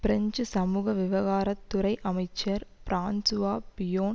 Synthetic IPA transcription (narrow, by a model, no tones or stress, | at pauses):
pɪɾɐɲd͡ʒɯsɐmuːɣɐʋɪʋɐɣaːɾɐt̪ːʊɾɐɪʔɐmɐɪt͡ʃːɐɾpɪɾaːnsʊʋaːpɪjoːn